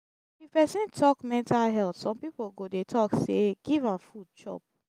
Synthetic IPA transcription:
ifpɛsĩntʰɔkmɛ̃ntalɦɛltsɔ̃mpipoɡodetʰɔkseɡ̥ivãnfud̚t͡ʃɔ̰p̚

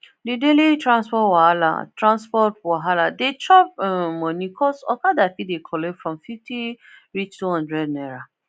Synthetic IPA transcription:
didelitɹãnspɔtwahala̰tɹãnspɔtwaɦaladet͡ʃɔp̚mɔnikʰɔsɔkadafidekʰɔlɛfɹɔ̃mfifti | ɹit͡ʃtuɦãndɹɛdnɛɹa

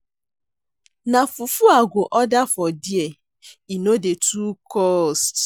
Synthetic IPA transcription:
nafufuaɡʷoʔɔdafɔdie | inodetʰukɔst

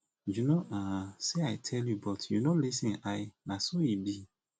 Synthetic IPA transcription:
junoʔãseaɪtʰɛljubɔtʰjunolisĩnaɪnasojibi

